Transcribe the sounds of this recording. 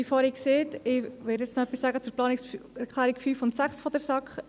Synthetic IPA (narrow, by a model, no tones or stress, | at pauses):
ifɔːɾikseːtɪʋɪɾdɛt͡ssnɔœpisːæːɡət͡suːɾplɑːniksɛɾkʰlæːɾikfyːfʊntsæχsfɔd̪əɾsɑkχ